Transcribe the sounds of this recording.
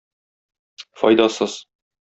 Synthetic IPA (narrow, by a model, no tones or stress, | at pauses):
fɒjd̪ɑsɤz